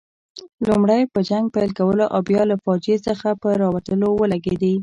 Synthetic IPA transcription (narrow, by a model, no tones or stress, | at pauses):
lumɽajpəd͡ʒaŋɡ̚pajlkawəloʔabjɑlafɑd͡ʒesəxapəɾɑwat̪əlowəlaɡed̪i